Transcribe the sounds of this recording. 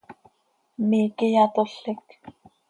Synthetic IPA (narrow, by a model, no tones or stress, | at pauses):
miːkijat̪oɬɪk